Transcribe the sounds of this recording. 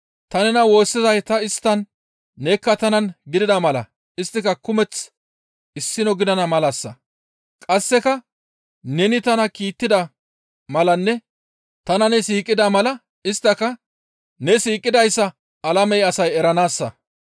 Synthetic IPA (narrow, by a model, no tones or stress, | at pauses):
t̪ɐnɛnɐwo̞ːsːɪzɐjt̪ɐɪst̪ːɐnː | ɛkːɐt̪ɐnɐnɡɪd̪ɪd̪ɐmɐlɐ̰ | ɪst̪ːɪkɐkʊmɛt͡s | ɪsːɪnɔɡɪd̪ɐnɐmɐlɐsːɐ̰ | kʼɐsːɛkɐ | nɛnɪt̪ɐnɐkiːt̪ːɪd̪ɐ | mɐlɐnːɛ | t̪ɐnɐnɛsiːkʼːɪd̪ɐmɐlɐ | ɪst̪ːɐkɐ | nɛsiːkʼːɪd̪ɐjsːɐ | ɐlɐmɛjɐsɐjɛɾɐnaːsːɐ